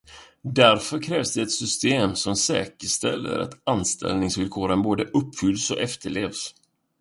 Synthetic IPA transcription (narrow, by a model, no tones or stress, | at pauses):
d̪æɾfœɾkʰɾɛːvsd̪ɛɛt̪sʏst̪eːmsɔmsɛːkəʂt̪ɛ̰lːə̰ɾa̰t̪anst̪ʰɛ̰lnɪŋsvɪlkʰoːɾənboːd̪əʔɵpːfʏlːsɔʔɛft̪əɭeːvs